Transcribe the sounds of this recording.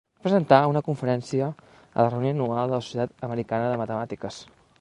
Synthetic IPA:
apɾəzənt̪aunəkuɱfəɾɛnsiə | ə̰lərəunionualˠd̪ələsusjət̪at̪əməɾikanəðəmət̪əmat̪ikəs

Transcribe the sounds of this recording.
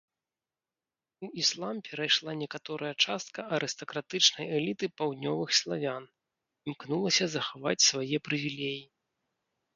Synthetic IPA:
uislˠampʲɛɾajʂlˠanʲɛkat̪ɔɾʔɐjɐt͡ʂast̪̚kɐʔɐɾʔɨst̪ɐkɾat̪ɨt͡ʂnɐjɛlʲit̪ɨpawd̪ʲnʲɔvɨxslˠavʲan | imknulˠɐsʲɐzɐxava̰t͡sʲsvajɛpɾɨvʲilʲeji

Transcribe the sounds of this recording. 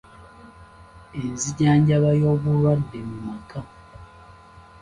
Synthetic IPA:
enziɟaːɲɟaβajo̞ːβulwadːemumaka

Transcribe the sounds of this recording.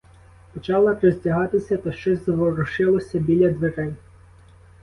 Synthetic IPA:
pɔt͡ʃɑlˠɐpɾɔzʲtʲɐɦɑt̪ɪsʲɐt̪ɐʃt͡ʃɔzʲzʋɔɾɔʃɪlˠɔsʲɐbʲilʲɐd̪ʋeɾɛnʲ

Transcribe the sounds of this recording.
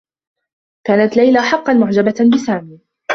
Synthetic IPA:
kaːnat̪lajlaħɑqːɑnmʊʕd͡ʒababɪsaːmiː

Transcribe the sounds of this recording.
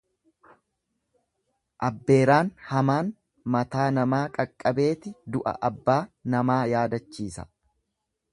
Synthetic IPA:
ʔɐbːe̞ːɾaːnhɐmaːn | mɐt̪aːnɐmaːkʼɐkʼːɐbe̞ːt̪ɪd̪ʊʔɐ̰ʔɐbːaːnɐmaːjaːd̪ɐt͡ʃːiːsɐ̰

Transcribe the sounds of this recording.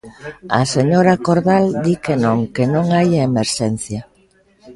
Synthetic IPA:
ɐ̰seɲoɾakoɾðald̪ikenõŋkenõŋajaemeɾʃɛn̟θjɐ

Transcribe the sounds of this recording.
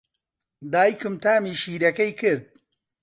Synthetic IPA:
d̪aːikɨmt̪ʰaːmiːʃiːɾɐkɐjkɨɾd̪̚

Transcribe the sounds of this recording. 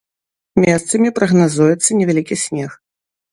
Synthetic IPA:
mʲɛst̪sɐmʲipɾɐɣnazujɛt̪sːɐnʲɛvʲalʲikʲisʲnʲɛx

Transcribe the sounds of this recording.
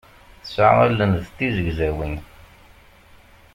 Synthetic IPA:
θəsa̰ʁælənðt̪ːizəɡzæwin

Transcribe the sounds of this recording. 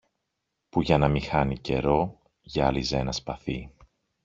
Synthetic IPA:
puʝɐnɐmixɐnice̞̰ɾo̞ | ʝɐlizenɐspɐθi

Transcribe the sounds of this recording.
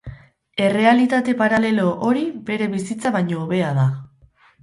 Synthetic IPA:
e̞re̞alit̪at̪e̞paɾale̞lo̞ʔoɾibe̞ɾe̞βisit͡saβajɲo̞ːβe̞aða

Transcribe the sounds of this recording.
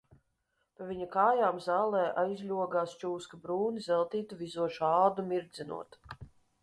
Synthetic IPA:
pavʲiɲakaːjaːmzaːlˠɛːʔajzʲlʲuɔɡaːst͡ʃuːskabɾuːnizɛlˠt̪iːt̪uvizuɔʃuaːlˠd̪umʲiɾd̪zinṵɔt̪

